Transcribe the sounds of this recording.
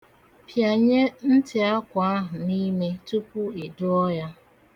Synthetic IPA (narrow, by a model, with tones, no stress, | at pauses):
pja˨ɲe˦n̩˦tɪ˨a˦kʷa˦ɦʊ˨ni˦me˦tu˦pʊ˦i˨dʊ˦ɔ˦ja˦